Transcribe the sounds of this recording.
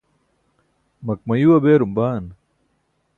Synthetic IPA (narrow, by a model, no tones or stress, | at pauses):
mɐk̚mɐjuwɐbeːɾumbaːn